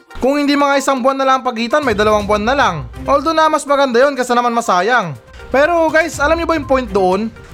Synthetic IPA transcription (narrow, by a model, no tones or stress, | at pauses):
kʊŋhɪnd̪iːmɐŋaʔɪsaŋbʊanːɐlaŋɐŋpɐɡiːt̪ɐnmɐjd̪ɐlɐwaŋbʊanːɐlaŋʔold̪onɐmɐsmɐɡɐnd̪ajo̞nkɐsɛnɐmanmɐsaːjɐŋ | pɛːɾo̞ɡajsʔɐlamɲobɐjʊŋpojnt̪̚d̪oʔo̞n